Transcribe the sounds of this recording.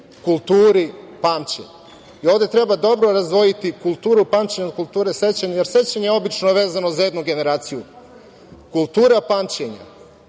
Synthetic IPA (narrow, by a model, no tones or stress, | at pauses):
kulˠt̪uːɾipaːmt͡ɕḛɲ | io̞ʋvd̪e̞t̪ɾe̞bad̪o̞bɾo̞ɾazd̪ʋo̞jit̪ikulˠt̪uːɾupamt͡ɕeɲakulˠt̪uːɾese̞t͡ɕaɲajeɾse̞t͡ɕaɲeeo̞bit͡ʃno̞ʋe̞ːzanozaje̞d̪nuɡe̞ne̞ɾaːt̪siju | kulˠt̪uːɾapaːmt͡ɕeɲa̰